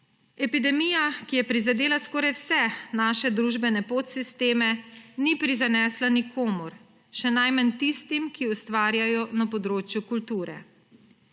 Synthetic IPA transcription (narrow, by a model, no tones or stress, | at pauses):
ɛpid̪ɛmijakijɛpɾizad̪eːlaskɔːɾajwsɛnaːʃɛd̪ɾuːʒbɛnɛpoːt̪sist̪eːmɛnipɾizanɛːslanikʰoːmuɾ | ʃɛnajmant̪ist̪imkiust̪ʋaːɾjajɔnapɔd̪ɾoːt͡ʃjukult̪uːɾɛ̰